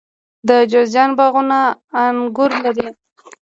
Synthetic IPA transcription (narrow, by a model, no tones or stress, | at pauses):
d̪əd͡ʒozjɑnbɑɣunaːnɡʊɾlaɾi